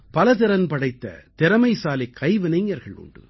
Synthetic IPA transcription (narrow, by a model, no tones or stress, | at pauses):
pɐlɐt̪ɪɾɐnpɐɽɐɪt̪ːɐ̰t̪ɪɾɐmɐɪsaːlɪkʰːɐɪʋɪnɐɪŋɐɾɣɐɭʊ̰ɳɖɯ̰